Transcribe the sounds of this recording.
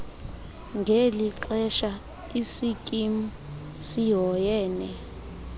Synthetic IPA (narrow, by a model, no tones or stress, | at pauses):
ŋɡʱeliǁɛʃa | isikʼimu | siɦɔjɛːnɛ